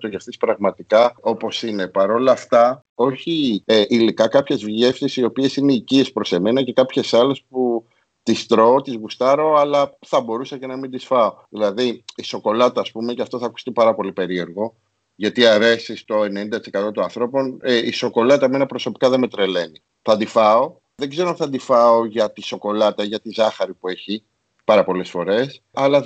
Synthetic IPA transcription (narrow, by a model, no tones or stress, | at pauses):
t̪oʝefθispɾɐɣmɐt̪ikɐo̞po̞sine̞pɐɾo̞lɐːft̪ɐ | o̞çiʔilikɐkɐpçe̞zvʝe̞fsisio̞pie̞sineicie̞spɾo̞se̞me̞nɐce̞kɐpçe̞sɐle̞spu | t̪ist̪ɾo̞ːt̪izɣust̪ɐɾo̞ɐlɐθɐbo̞ɾusɐce̞nɐmind̪isfɐoðilɐðiiso̞ko̞lɐt̪ɐːspume̞cɐft̪o̞θɐku̥st̪ipɐɾɐpo̞lipe̞ɾie̞ɾɣo̞ | ʝɐt̪iɐɾe̞sist̪o̞e̞nenind̪ɐt̪isekɐt̪o̞t̪oɐnθɾo̞po̞neiso̞ko̞lɐt̪ɐeme̞nɐpɾo̞so̞pi̥kɐðeme̞t̪ɾe̞le̞ni | θɐnd̪ifɐo̞ | ðe̞ɡze̞ɾoθɐnd̪ifɐoʝɐt̪iso̞ko̞lɐt̪ɐʝɐt̪izɐxɐɾipue̞çi | pɐɾɐpo̞le̞sfo̞ɾe̞s | ɐlɐ